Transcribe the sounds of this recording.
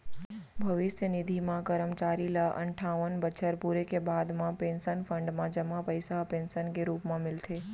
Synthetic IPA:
bʱəʋɪsjənɪd̪ʱimãkəɾəmt͡ʃaːɾilaʔə̰ɳʈʰaːʋənbət͡ʃʰəɾpuɾekebaːd̪mãpensənfʰə̃ɳɖmãd͡ʒəmãpəjsaɦpeːnsənkeɾuːpmãmɪlt̪ʰe

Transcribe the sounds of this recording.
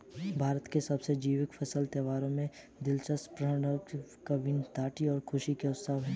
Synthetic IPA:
bʱaːɾət̪kesɐbsed͡ʒiːʋɪkfʰɐsəlt̪əʋaːɾõmẽ | d̪ɪlt͡ʃəspɾəɽəwkkɐbɪnt̪aːʈiɔːɾkʰʊʃikeʊt̪səːʋɦɛ̃ː

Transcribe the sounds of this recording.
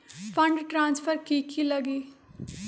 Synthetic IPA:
pʰəɳɖʈɾãːnspʰəɾkiːkʰiːləɡiː

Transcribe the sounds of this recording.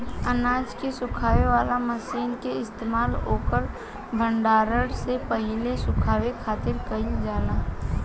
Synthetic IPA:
ənaːd͡ʒkesʊkʰaːʋeʋaːlaməsiːnkeɪst̪eːmaːlɦoːkəɾ | bʱə̃ɳɖaːɾəɽsepəɦɪlesʊkʰaːwekʰaːt̪ɪɾkəid͡ʒaːnaː

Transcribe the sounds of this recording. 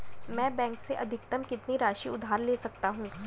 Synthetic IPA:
mɛ̃ːbɛ̃ːŋkseʔɐd̪ʱɪk̚t̪əmkɪt̪niɾaːʃiʊd̪ʱaːɾleːsɐk̚t̪aɦũː

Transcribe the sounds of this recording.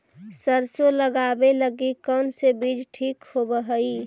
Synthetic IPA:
səɾsoləɡabeləɡikɔnsebid͡ʒʈʰiːkhobəɦəi

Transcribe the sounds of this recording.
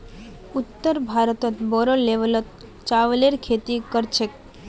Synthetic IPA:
ut̪ːəɾbʱaɾət̪ɔt̪bɔɾoleʋəlɔt̪̚ | t͡ʃaʋleɾkʰet̪ikəɾt͡ʃʰek

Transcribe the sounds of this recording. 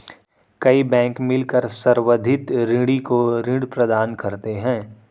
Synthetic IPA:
kɐibɛ̃ːŋkmɪlkəɾsɐɾwəd̪ʱɪt̪ɾɪ̃ɽikoɾɪ̃ɽpɾɐd̪aːnkɐɾt̪eɦɛ̃ː

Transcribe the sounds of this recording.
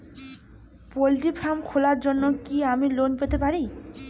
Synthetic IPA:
poliʈipʰɾamkʰolaɾd͡ʑonːokiamilonpet̪epaɾi

